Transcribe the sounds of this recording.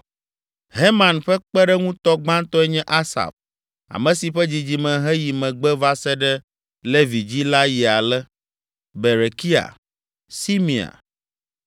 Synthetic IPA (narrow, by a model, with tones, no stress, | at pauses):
ɦe˦mã˨nɸɛ˦k͡pɛ˦ɖɛ˦ŋũ˦t̪ɔ˦ɡ͡bã˦nt̪ɔ˦ɛ˦ɲɛ̃˦ʔa˦sa̰˨f | a̰˨mɛ̃˨si˨ɸɛ˦d͡ʑi˨d͡ʑi˨mɛ̃˨ɦɛ˦ji˨mɛ̃˨ɡ͡bɛ˦va˦sɛ˦ɖɛ˦ | le˦vi˨d͡ʑi˦la˦ji˨a˨lɛ˦ | be˨ɾe˨ki˦a̰˨ | si˦mĩ˨a̰˨